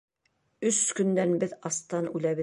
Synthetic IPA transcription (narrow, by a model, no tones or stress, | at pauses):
ɵskɵ̆nd̪ænbɘðɑst̪ɑnʉlæβɘ